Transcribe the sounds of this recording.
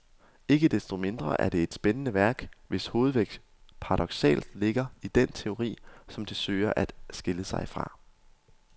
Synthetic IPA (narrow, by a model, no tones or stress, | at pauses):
e̝ɡ̥əd̥esd̥o̝me̝nd̥ʁɐ̰ʔæɐd̥e̝ːd̥sb̥enənəʋæɐɡ̥ʋe̝sho̝ːð̩ˠʋeɡ̥ | pʰɑ̈ʁɑ̈d̥ɒ̽ɡ̥sɛ̰ːld̥le̝ɡ̥ɐid̥ent͡sʰe̝o̝ʁḭːsɒ̽md̥e̝sø̰ːɐʔæd̥sɡ̥e̝ləsɑ̈ɪfʁɑ̈